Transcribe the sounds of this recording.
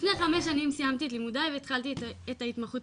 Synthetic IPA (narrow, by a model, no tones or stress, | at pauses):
ifneχameʃ̬animsijamt̪ietlimudaveːt̪χaltietaitmaχut